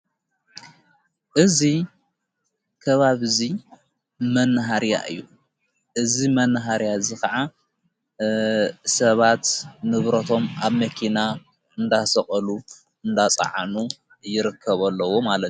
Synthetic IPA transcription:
ʔɨzi | kʰɐβaβzi | mɐnːɨɦaɾja̰ʔɨ̰jːu | ʔɨzimɐnːɦaɾjaɨzikʰɐʕa | sɐβat̪nɨβɾɐt̪ʰo̞maβmɐkʰina | ɨnd̪asɐχʼɐlu | ɨnd̪at͡sʼɐ̰ʕanu | jɪɾɨkʰːɐβɐlːɐwo̞malɐt̪

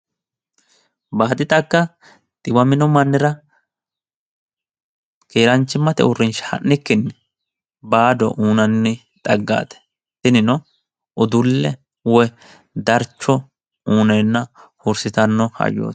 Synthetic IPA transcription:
baːt̪ʼɪt̪ʼɐkːɐ | t̪ʼɪwɐmɪnɔmɐnːɪɾɐ | keːɾɐnt͡ʃːɪmːɐt̪ɛ̰ʊrːɪnʃhɐ̰nːɪkːɪnːɛ | baːd̪ɔ̰ʔuːnɐnːɪ | t̪ʼɐɡːa̰ːt̪ɛ̥ | t̪ɪnɪnɔ | ʊd̪ʊlːɛ | wɔ | d̪ɐɾt͡ʃːɔ | uːnɛjnːɐhʊɾsɪt̪ɐnːɔhɐ̰jːo̰ːt̪

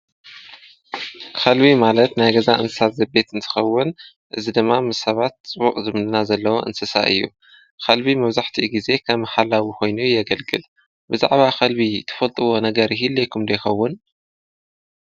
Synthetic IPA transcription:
kʰɐlβimalɐt̪najɡɐzaʔɨ̰nsɨ̥sat̪zɐbe̞t̪ɨnt̪ʰɨ̥xɐwːʊn | ʔɨzid̪ɨmːamɨsɐβat̪̚t͡sʼɨβuqʼzɨmnɨnazɐlːɐwo̰ʔɨ̰nsɨsa̰ʔɨ̰jːu | kʰɐlbimɐβzaħt̪ʰiɡize̞kʰɐmħalawikʰo̞jnujːɐɡɐlɡɨl | bɨza̰ʕβaxʰɐlbit̪ʰːɐ̥fɐlt̪ʼɨwo̞nɐɡɐɾɦilːɐjkʰumd̪ɐjxɐwːʊn

